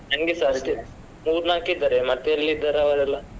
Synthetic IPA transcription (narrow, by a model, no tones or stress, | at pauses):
ɐŋɡesaɾd̪e | muːɾnaːkid̪aɾemɐt̪ːeɐlːid̪aɾaʋɐɾɛlːa